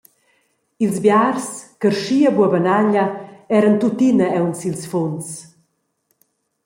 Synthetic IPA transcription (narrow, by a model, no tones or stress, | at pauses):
ilzbjarskərʃiːabuabanaʎaɛɾənt̪ut̪inaɛwnsilsfɔns